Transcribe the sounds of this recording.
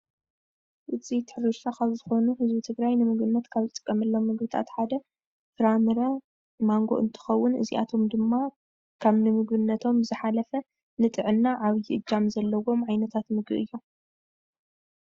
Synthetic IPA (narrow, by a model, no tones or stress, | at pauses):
ʔɨzit̪ʰɨ̥ħɾɨʃakʰaβzɨxo̞nuhɨzbit̪ʰɨɡɾajnɨmɨɡβɨnːɐt̪kʰaβzɨt̪ʼɨ̥kʼːɐmɐlːomːɨɡbɨt̪ʰa̰t̪ħad̪ɐ | fɨɾamɾɐ | maŋɡo̞̰ʔɨnt̪ʰɨ̥xɐwːʊnʔɨ̰ziʔa̰t̪ʰo̞md̪ɨmːa | kʰaβnɨmɨɡbɨnːɐt̪ʰo̞mzɨħalɐfɐ | nɨt̪ʼɨʕɨnːaʔaβjiʔɨd͡ʒamzɐlːɐwo̞mʕajnɐt̪ʰat̪mɨɡɨʔɨjːu